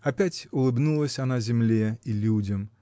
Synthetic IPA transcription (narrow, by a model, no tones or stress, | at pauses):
ɐpʲætʲʊlˠɨbnulˠəsʲanazʲɪmlʲeilʲudʲəm